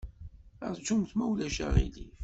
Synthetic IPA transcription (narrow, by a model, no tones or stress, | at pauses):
ə̰ɾt͡ʃːumθmæwlæʃæ̰ʁḭlif